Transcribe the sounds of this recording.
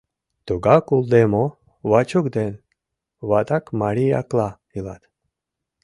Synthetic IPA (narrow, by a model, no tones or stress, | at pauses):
t̪uɡakulˠd̪emo | βat͡ʃukd̪en | βat̪akmaɾia̰kla | ila̰t̪